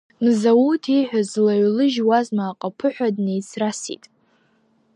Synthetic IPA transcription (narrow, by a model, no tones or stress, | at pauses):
mzawutʰiħʷᶣazlaɥlɨʒwazmaːqʼapʰɨħʷᶣadnejt͡sʰrasḭtʼ